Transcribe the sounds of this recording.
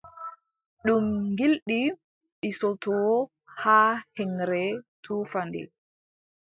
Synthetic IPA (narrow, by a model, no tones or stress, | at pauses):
ɗumɡilɗi | ʔisɔtɔ | hahɛŋɾɛtʰuːfandɛ̰